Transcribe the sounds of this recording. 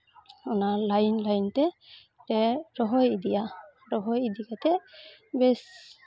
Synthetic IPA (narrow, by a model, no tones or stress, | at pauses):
ɔnalajnlajntɛ | tɛɹɔɦɔjid̪ija | ɾɔɦɔjid̪ikat̪ɛbɛs